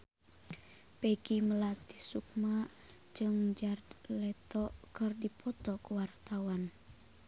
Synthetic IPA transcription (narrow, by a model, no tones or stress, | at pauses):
pɛɡiməlat̪isuk̚ma | d͡ʒɨŋd͡ʒard̪lɛt̪ɔkɨrdipʰɔt̪ɔkuwart̪awan